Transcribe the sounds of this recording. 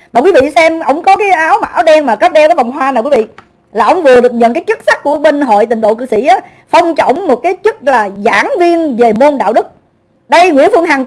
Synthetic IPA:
maː˨˩kwi˨˦vḭ˧˨sɛ˧mʔə̰˧˩wŋ͡mkɔ˨˦kaː˨˦jʔaː˨˦wma̰ː˨˧˨wɗɛ˧nmaː˨˩kt̚ɗɛ˧ɗɔː˨˦va˨˩wŋ͡mɦwaː˧naː˨˩wkwi˨˦vḭ˧˨ | laː˨˩ʔə˧˨wŋ͡mvɨ˨˩əɗɨ˨˩ək̚ɲə̰˨nkaː˨˦jt͡ɕɨ˦˥k̚sa˦˥k̚kːu˧˩əɓe˧nɦo̰˧˨jt̪ï˨˩ŋ̟ɗo̰˧˨kɨ̰˧˨sḭ˧˩ʔaː˨˦ | fə˧wŋ͡mt͡ɕə̰˧˩wŋ͡mmo˨˩t̚kaː˨˦jt͡ɕɨ˦˥k̚laː˨˩za̰ː˧˥ŋvi˧ənve˨˩mo˧nɗa̰ː˧˨wɗɨ˦˥k̚ | ɗə˧jŋwḭ˧˥əfɨ˧əŋɦa˨˩ŋ

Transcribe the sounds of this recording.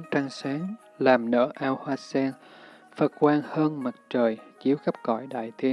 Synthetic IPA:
t͡ɕa˧ŋsaː˨˦ŋ | laː˨˩mnə̰ː˧˥˩ʔaː˧whwaː˧sɛ˧n | fə˨˩t̚kwaː˧nhəː˧nma˨˩t̚t͡ɕəː˨˩jki˨˦əwɣə˦˥p̚kɔ̰˧˩jɗa̰ː˧˨jt̪ʰi˧ən

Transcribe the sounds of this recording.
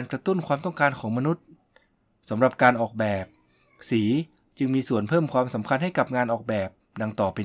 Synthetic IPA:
nkɾa˧t̪u˥˩nkʰwaː˧mt̪ɔ˥˩ŋkaː˧nkʰɔː˩˦ŋma˧nu˦˥t̪̚ | sa˨˩˦mɾa˨˩p̚kaː˧nʔɔː˨˩k̚bɛː˨˩p̚ | siː˩˦ | t͡ɕɯ˧ŋmiː˧su˨˩ənpʰɤː˥˩mkʰwaː˧msa˩˦mkʰa˧nɦa˥˩jka˨˩p̚ŋaː˧nʔɔː˨˩k̚bɛː˨˩p̚da˧ŋt̪ɔː˨˩pʰe˧

